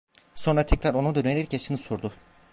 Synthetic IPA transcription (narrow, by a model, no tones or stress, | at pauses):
so̞nɾat̪ʰɛcɾaɾo̞nud̪ønenʲeɾɛcjaʃɯnɯsuɾd̪ʊ